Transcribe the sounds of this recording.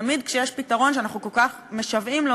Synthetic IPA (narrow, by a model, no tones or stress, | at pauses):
mid̪kʃejeʃpitaʁo̞nʃ̬eanaχnukolkaχ | meʃavimlo